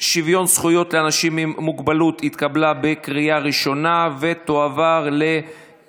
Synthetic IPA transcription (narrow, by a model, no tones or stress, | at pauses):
ʃivjo̞nsχujo̞t̪leanaʃimimːuɡbalut̪it̪kablabekʁijaʁiʃo̞nave̞t̪oavaʁle̞